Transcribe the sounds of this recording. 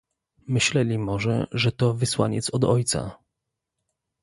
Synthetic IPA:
mɘɕlɛlʲimɔʐɛ̰ʐɛt̪ɔvɘswa̰ɲɛ̰t̪sɔd̪ɔ̰jt̪sa̰

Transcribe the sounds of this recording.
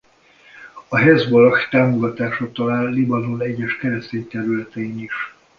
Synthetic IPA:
ɒɦɛzbolxt̪aːmoɡɒt̪aːʃɒt̪ɒlaːlːibɒnolɛɟːɛʃkɛɾɛst̪eːɲt̪ɛɾylɛt̪ɛiniʃ

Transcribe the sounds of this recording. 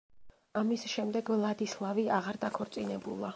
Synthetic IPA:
amisʃɛmd̪ɛɡvlˠad̪islˠaviaʁaɾd̪akʰɔɾt̪sʼinɛbulˠa

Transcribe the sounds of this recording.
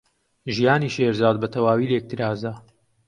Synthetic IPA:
ʒijaːniːʃeɾzaːd̪bɐt̪ʰɐwaːwiːlek̚t̪ʰɨɾaːzɐ

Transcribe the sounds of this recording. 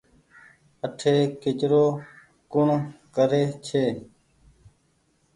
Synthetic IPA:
əʈʰeːkɪt͡ʃɾoː | kʊɳkəɾeːt͡ʃʰeː

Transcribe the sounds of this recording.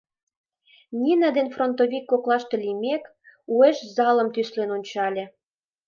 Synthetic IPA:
nʲinɑd̪enfront̪oβikːoklɑʃt̪elimʲek | ueʃzɑlə̆mt̪yslenonʲt͡ɕɑlʲĕ

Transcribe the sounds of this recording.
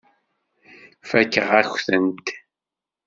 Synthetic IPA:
fækːəʁæçθənt̪

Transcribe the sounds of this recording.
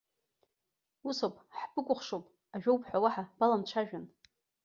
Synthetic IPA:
usowpʼħbɨkʷʼʊχʂowpʼ | aʒᶣowpʰʼħʷawaħab̥alamt͡ʃʷʰaʒᶣan

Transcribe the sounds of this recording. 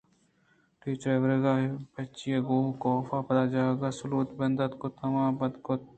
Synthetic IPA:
ʈiːt͡ʃɾeʋɾeɡaːpɐt͡ʃːieɡoːkoːfaːpɐt̪aːd͡ʒaːeɡaːsʊluːt̪bɐnd̪ɐt̪kot̪ʰɐmãːbɐd̪kot̪

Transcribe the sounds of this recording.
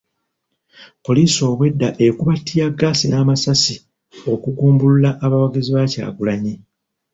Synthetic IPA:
po̞liːso̞ːβwe̞dːaʔekuβatʰːijaɡːaːsinaːmasasi | o̞kuɡuːmbululaʔːβawaɡiziβaca̰ːɡulaɲi

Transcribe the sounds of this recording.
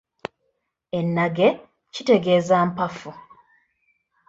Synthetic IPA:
e̞nːaɡe̞ | cite̞ɡe̞ːzaːmpafu

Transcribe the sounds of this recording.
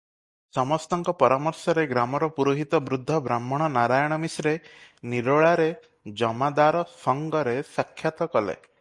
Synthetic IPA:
sɔmɔst̪ɔŋkɔpɔɾamɔɾsɔɾeɡɾamɔɾɔpuɾuɦit̪ɔbɾud̪ʱːɔbɾamːɔɽ̃ɔnaɾajɔɽ̃ɔmisɔɾeniɾoɭaɾe | d͡ʒɔmad̪aɾɔsɔŋɡɔɾesakʰːjat̪ɔkɔlḛ

